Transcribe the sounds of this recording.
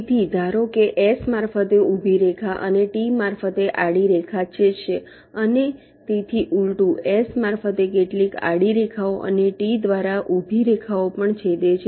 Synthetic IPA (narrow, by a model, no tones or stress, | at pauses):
t̪ʰid͡ʒʱaɾokeʔesmaɾfət̪eubʱiɾekʰaʔəneʈimaɾfət̪eʔaɽiɾekʰat͡ʃʰet͡ʃʰe | əne | t̪et̪ʰiʔulʈũesmaɾfət̪ekeʈlika̰ɽiɾekʰaoʔə̰neʈid̪ʋaɾaʔubʱiɾekʰaopəɳt͡ʃʰed̪et͡ʃʰe